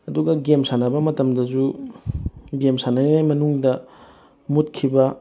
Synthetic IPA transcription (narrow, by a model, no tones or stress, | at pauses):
ɐduɡɐɡemsanɐbɐmɐtɐmdɐzu | ɡemsanɐninajmɐnuŋdɐ | mut̚kʰːibɐ